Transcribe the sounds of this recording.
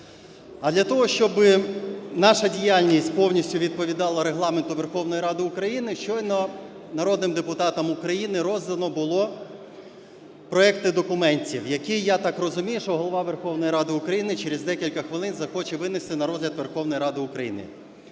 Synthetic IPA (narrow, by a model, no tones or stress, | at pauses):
ɐd̪lʲɐt̪ɔɦɔʃt͡ʃɔbɪnɑʃɐdʲijalʲnʲisʲtʲpɔwnʲisʲtʲʊʋʲid̪̚pɔʋʲid̪ɑlˠɐɾeɦlˠɑment̪ʊʋerxɔwnɔjiɾɑd̪ɪʊkɾɐjinɪʃt͡ʃɔjnɔ | nɐɾɔd̪nɪmd̪epʊt̪ɑt̪ɐmʊkɾɐjinɪɾɔzd̪ɐnɔbʊlˠɔ | pɾɔɛkt̪ɪd̪ɔkʊmɛnʲtʲḭwjɐkijat̪ɑkrɔzʊmʲijʊʃɔɦɔlˠɔʋɑʋerxɔwnɔjiɾɑd̪ɪʊkɾɐjinɪt͡ʃeɾezd̪ɛkʲilʲkɐxʋɪlˠɪnzɐxɔt͡ʃɛʋɪnɪst̪ɪnɐɾɔzɦlʲɐd̪ʋerxɔwnɔjiɾɑd̪ɪʊkɾɐjḭnɪ̰